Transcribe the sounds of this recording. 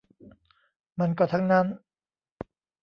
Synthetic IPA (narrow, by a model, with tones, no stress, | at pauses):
ma˧nkɔː˥˩t̪ʰa˦˥ŋna˦˥n